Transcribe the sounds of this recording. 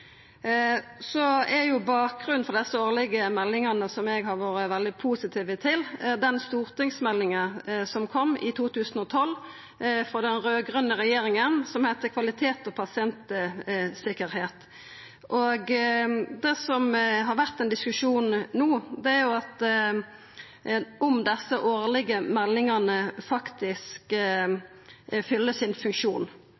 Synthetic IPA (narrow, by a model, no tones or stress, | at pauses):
sɔɛɾjʊbɑːk̚ʁʉn̩fɔʁd̪ɛsːəoːʁlɪɡəmɛlːɪŋɑnəsɔmɛɡhɑʁʋoːɾəʋɛld̪ɪpʰuːsɪt̪ʰiːʋət̪ʰɪld̪ɛnst̪uːʁt̪ɪŋsmɛlːɪŋəsɔmkʰɔmːɪ̰t̪ʰuːt̪ʉːsənɔt̪ʰɔlː | fɾɔd̪ɛnɾøːɡʁʉnːəʁɛjeːɾɪŋənsɔmhæt̪əkʰʋɑlɪt̪ʰeːt̪ɔpʰɑsɪɛnt̪əsɪkəɾheːt̪ | ʔoɡ | d̪ɛːsɔmɦɑɾʋæʁt̪ɛnd̪ɪskʉʂuːnːuːd̪ɛæʁjʊɑt̪ | ʔɔmd̪ɛsəʔoːʁlɪɡəmɛlːɪŋɑnəfɑkt̪ɪsk | fʏlːəsɪnfʉŋkʂuːn